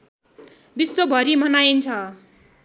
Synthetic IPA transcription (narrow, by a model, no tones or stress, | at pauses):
bisːobʱʌɾimʌnajint͡sʰʌ